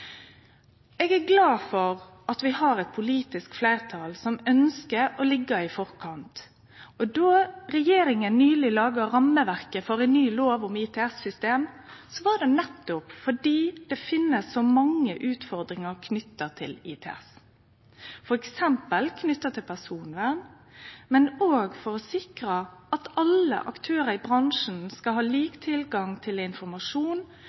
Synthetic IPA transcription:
ɛːɡæɡlɑːfɔʁ | ʔɑt̪ʋɪhɑɾɛt̪̚pʰʊliːt̪ɪskflæɪʁt̪ʰɑlsɔmœnskəɾɔlɪɡːəɾɪfɔɾkʰɑnt̪ | ɔd̪oɾɛjeːɾɪŋənnyːlɪlɑːɡəɾɑmːəʋæʁkəfɔɾæɪnnyːloːʋʊmit̪ʰɛɛsːʏst̪eːm | sɔʋɑɖ̪ɛnɛt̪ːʊpfɔɖiːd̪̥ɛfɪnːəsːɔmɑŋːə̰ʔʉːt̪fɔɾd̪ɾɪŋəʁkʰnʏt̪ːət̪ʰɪ̰lḭːt̪ʰɛ̰ɛ̰s | fɔɾɛksɛmpəlkʰnʏt̪ːət̪ʰɪlpʰæsuːnʋæn | mɛnoːɡfɔɾɔsɪkɾəɑt̪ɑlə̰ʔɑkt̪ʰøːɾəɾɪbɾɑŋʂn̩skɑlhɑːliːkt̪ʰɪlɡɑŋt̪ʰɪlɪnfɔɾmɑʂuːn

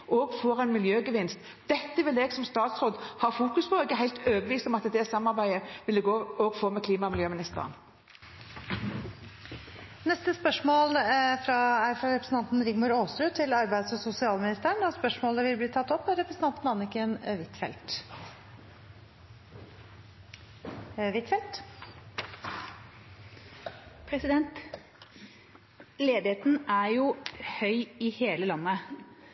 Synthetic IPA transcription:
ʔɔɡfoːɾɛɪnmɪljøːɡəʋɪnst̪ | d̪̥ɛt̪ːəʋɪlɛɡsɔmst̪ɑːt̪sʁoːd̪hɑːʁfuːkʉspʰɔɛɡəɦæɪlt̪øːbəʋiːst̪ɔmɑt̪d̪ɛsɑmːɑʁbæɪəʋɪlːəɡoːɔɡfoːmɛkʰliːmɑmɪljøːmɪnɪst̪ə̰ʁə̰n | nɛst̪əspœʂmoːlfɾɑæfɑɾɛpɾəsn̩ʰɑnt̪nɾɪɡmʊɾoːst̪ɾʉːt̪ʰɪlɑɾbæɪd̪sɔsʊsɪɑːlmɪnɪst̪əɳd̪ɑspœʂmoːləʋɪlbliːt̪ʰɑt̪ːɔpːæɾɛpɾəsn̩ɑnt̪n̩ɑnɪkənʋɪt̪fɛ̰lt̪ | ʋɪt̪fɛlt̪ | pʰɾɛsɪd̪ɛnt̪ | leːd̪ɪheːt̪n̩æɾjʊhœʏɪheːləlɑnːə

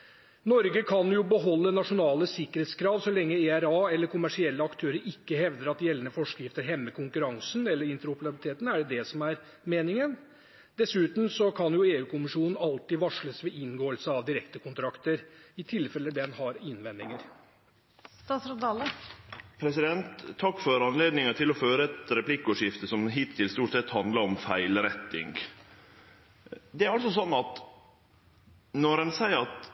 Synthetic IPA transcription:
nɔɾɡəkʰɑnjʊbəɦɔlːənɑʂʊnɑːləsɪkːəɾeːt̪skʰɾɑːʋsɔlɛŋːəeæɾɑːɛlːəɾkʰʊmæʂɪɛlːəɑkt̪ʰøːɾəɾɪkːəɦɛʋd̪əɾɑt̪jɛlːənəfɔʂkjɪft̪əɾɦɛmːəkʰʊŋkʉɾɑŋsnɛlːəɾɪnt̪əɾʊpəɾɑbɪlɪt̪ʰeːt̪n̩æɖɛd̪ɛsɔmæɾ | meːnɪŋən | d̪ɛsʉːt̪m̩sɔkʰɑnjʊeːʉːkʰʊmɪʂuːnən̩ɑlt̪ɪʋɑʂɭəsʋɛʔɪnɡoːəlsəɑʋd̪ɪɾɛkt̪əkʰʊnt̪ʰɾɑkt̪əɾɪt̪ʰɪlfɛlːəd̪ɛnhɑɾɪnʋɛnd̪ɪŋəɾ | st̪ɑːt̪sɾɑd̪ɑləpʰɾɛsɪd̪ɛnt̪ʰːɑkːfɔɾɑnleːd̪nɪŋəʈʰɪlɔføːɾəɛt̪ɾɛpʰlɪkːəoːʂjɪft̪əsɔmɦɪːt̪ʰːɪlst̪uːʈsɛt̪ːhɑnd̪ləɾɔmfæɪlɾɛt̪ːɪ̰ŋɡ | d̪ɛæɾɑlsɔsɔnːɑt̪ | nɔɾɛnsæɪəɾɑt̪

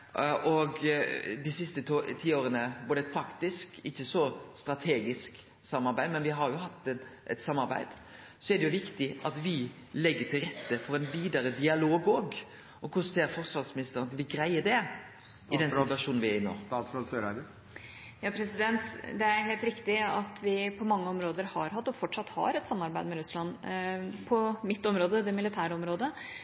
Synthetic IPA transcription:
ʔɔɡd̪ɪsɪst̪ət̪ʰiːoːɾənəʋʊd̪ɛfʰɑkt̪ɪskɪçːəsɔst̪ɾɑt̪ʰeːɡɪsk | sɑmːɑɾbæɪd̪mɛnʋɪɦɑɾjʊhɑt̪ːɛnʔɛ̰t̪sɑmːɑɾbæ̰ɪd̪̥ | sɔɛd̪ɛjʊʋɪkt̪ɪɑt̪ʋɪ | lɛɡːət̪ʰɪlɾɛt̪ːəfɔɾɛɪnʋiːd̪əɾəd̪ɪɑloːɡoːɡ | ʔɔkʰʊseːɾfɔɾsʋɑɾsmɪnɪst̪əɾənɑt̪ʋɪɡɾæɪəd̪ɛ | ɪd̪ɛnsɪʋɑʂuːnn̩ʋɪæɾɪnːo̰ːsɑlsø | jɑːpʰɾɛsɪd̪ɛnt̪d̪ɛæɾɦeːlt̪ɾɪkt̪ɪɑt̪ʋɪpʰɔmɑŋːəɔmɾoːd̪əɾhɑɾɦɑt̪ːɔfɔʈʂɑt̪hɑ̰ɾɛt̪sɑmːɑɾbæɪd̪mɛɾʉslɑn | pʰɔmɪt̪ːɔmɾoːd̪əd̪ɛmɪlɪt̪ʰæːɾɔmɾoːd̪ə

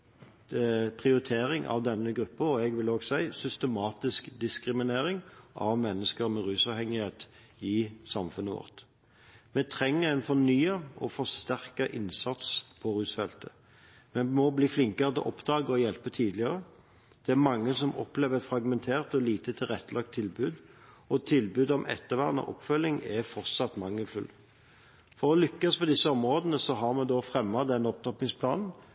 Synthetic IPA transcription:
pʰʁɪʊɾɪt̪ʰeːɾɪŋʔɑ̰ʋd̪ɛnːəɡɾʉpːəɾɔɛɡʋɪloːɡsæɪsʏst̪əmɑːt̪ɪskd̪ɪskʁɪmɪneːɾɪŋʔɑ̰ʋmɛnːəskəʁmɛʁʉːsɑːʋhɛŋːɪheːt̪ | ɪsɑmfʉnːəʋɔ̰ʁt̪ | mɛt̪ʰɾɛŋːəʁæɪnfɔnyːəɔfɔst̪æʁkəʔɪnsɑt̪spʰɔɾʉːsfɛlt̪ə | mɛmɔbliːflɪŋkəʁət̪ʰɛ̰ʔɔpd̪ɑːɡəɔjɛlpət̪ʰiːd̪lɪəʁə | d̪̥ɛæmɑŋːəsɔmɔpleːʋəfɾɑɡmɛnt̪ʰeːʁt̪ɔliːt̪ət̪ʰɪlʁɛt̪ːəlɑk̚t̪ʰːɪlbʉːd̪ | ɔt̪ʰɪlbʉːd̪ɔmʔɛ̰t̪ːəʋæːʁnə̰ʔɔ̰pːfœlːɪŋɛfɔʁt̪sɑt̪ːmɑŋːəlfʉl | fɔɾɔlʏkːɑspʰɔd̪ɪsːəɔmʁoːd̪ənəsɔɦɑʁmɛd̪oːfʁɛmːɑd̪ɛnːɔp̚t̪ʰɔpnɪŋspʰlɑːnn̩

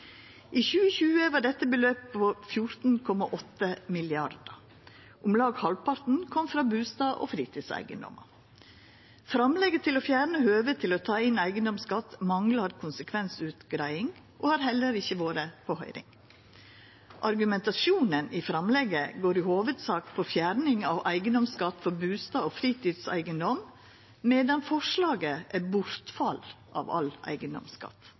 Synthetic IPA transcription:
ʔiːçʉːəçʉːəʋɑːɖɛt̪ːəbəløːp̚pofjʊɾt̪n̩kʰɔmɑʔɔt̪ːəmɪlɪɑɾd̪ə | ʔʊmlɑːɡhɑlpɑɾt̪n̩kʰɔmfɾɑːbʉːst̪ɑːʔo̰ːfɾiːt̪ʰiːsæ̰ɪɡə̰nd̪ɔ̰mə̰ | fɾɑmlɛɡət̪ʰɪloːfjæːɾɳəhøːʋət̪ʰɪloːt̪ʰɑːɪnæɪɡənd̪ɔmskɑt̪ːmɑŋlɑɾkʰʊnsəkʰʋɛnsʉːt̪ɡɾæɪɪŋ | ʔohɑɾhɛlːəɾɪçːəʋoːɾəpʰɔhœ̰ʏɾɪ̰ŋ | ʔɑɾɡʉmɛnt̪ɑʃuːnənifɾɑmlɛɡəɡoːɾɪhoːʋəd̪sɑːkpʰɔfjæːɾnɪŋɑ̰ʋʔæɪɡənd̪ɔmskɑt̪ːfɔɾbʉːst̪ɑːofɾiːt̪ʰiːd̪sæ̰ɪɡənd̪ɔm | meːd̪ɑnfɔʂɭɑːɡəʔæbʊɾt̪fɑl | ʔɑ̰ːʋɑ̰lʔæ̰ɪɡənd̪ɔ̰mskɑ̰t̪

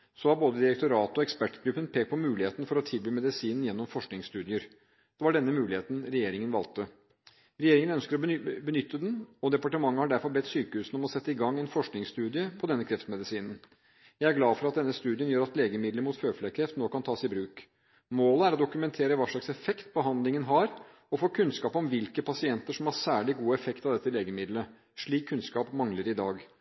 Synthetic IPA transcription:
sɔhɑɾboːd̪əd̪ɪɾɛkt̪ʊɾɑːt̪ɔɛkspæʈɡɾʉpːənpʰeːk̚t̪̚pʰɔmʉːlɪheːt̪nfɔɾɔt̪ʰɪlbyːmɛd̪ɪsiːnən̩jɛnːɔmfɔʂknɪŋst̪ʉːd̪ɪəɾ | d̪̥ɛʋɑɖɛnːəmʉːlɪheːt̪n̩ɾɛjeːɾɪŋənʋɑlt̪ə | ɾɛjeːɾɪŋənœnskəɾɔbənʏt̪ːəd̪ɛnɔd̪ɛpɑʈəmɑŋːəhɑɖæɾfɔɾbɛt̪ːsyːkəhʉːsn̩ɔmɔsɛt̪ːəɪɡɑŋːɛɪnfɔʂknɪŋst̪ʉːd̪ɪəpʰɔd̪ɛnːəkʰɾɛft̪mɛd̪ɪsiːnən̩ | jæɪæɾɡlɑːdfɔɾɑt̪̚d̪ɛnːəst̪ʉːd̪ɪənjøːɾɑt̪leːɡəmɪd̪ləɾmuːt̪føːflekʰɾɛft̪noːkɑnt̪ʰɑːsɪbɾʉːk | moːləæɾɔd̪ʊkʉmɛnt̪ʰeːɾəʋɑːʂɭɑksɛfɛkt̪̚pɔɦɑnd̪lɪŋənɦɑɾ | ɔfoːkʰʉnskɑːpɔmʋɪlkəpʰɑsɪɛnt̪əʂɔmhɑɾsæːɭɪɡuːɛfɛkt̪ɑʋd̪ɛt̪ːəleːɡəmɪd̪lə | ʂɭiːkʰːʉnskɑːpmɑŋləɾɪd̪ɑːɡ

